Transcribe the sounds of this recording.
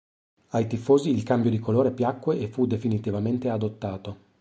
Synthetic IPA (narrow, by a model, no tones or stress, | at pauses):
ajt̪ifoːziːlkambjod̪ikoloːɾepjakːweʔefud̪efinit̪ivament̪ead̪ot̪ːaːt̪o